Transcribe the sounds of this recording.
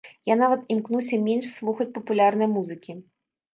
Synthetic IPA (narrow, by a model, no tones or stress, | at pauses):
janavɐt̪imknuwsʲɐmʲenʂsvˠuxɐt͡sʲpɐpulʲarnɐjmuzɨkʲi